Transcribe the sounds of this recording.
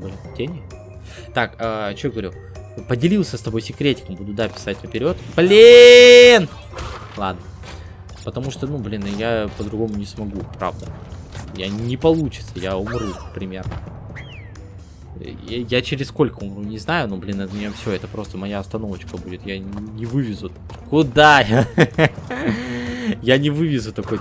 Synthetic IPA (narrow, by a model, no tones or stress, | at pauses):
blʲtʲenʲɪ | t̪akat͡ɕʲɡəvɐɾʲu | pədʲɪlʲilˠsʲəst̪ɐbo̞jsʲɪkɾʲetʲɪ̥kmbud̪ʊd̪apʲɪ̥satʲnəpʲɪɾʲo̞t̪blʲi | n | lˠad̪nə | pət̪ɐmuʂt̪onublʲinjapəd̪ɾʊɡo̞mʊnʲɪsmɐɡupɾa̰vd̪ə | janʲɪpɐlˠut͡ɕɪ̥t̪səjaʊmɾupɾʲɪmʲe̞rnə | jat͡ɕɪɾʲɪssko̞lʲkəʊmrunʲɪznajʊnublʲinɛt̪mʲɪnʲafsʲoɛt̪əpɾo̞st̪əmɐjaɐst̪ɐno̞vət͡ɕkəbudʲɪt̪janʲɪvɨvʲɪzʊ | kʊd̪aja | janʲɪvɨvʲɪzʊt̪ɐkoj